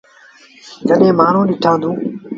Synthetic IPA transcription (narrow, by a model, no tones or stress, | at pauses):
t̪əɗẽːmaːn̤ũːɗɪʈʰãːnd̪ũː